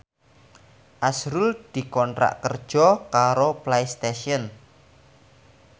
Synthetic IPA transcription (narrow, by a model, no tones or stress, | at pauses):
ʔasɾʊld̪̥i̤kɔnt̪ɾa̰ʔkərd̥ʒ̥ɔkaɾoplejst̪eʃiɔn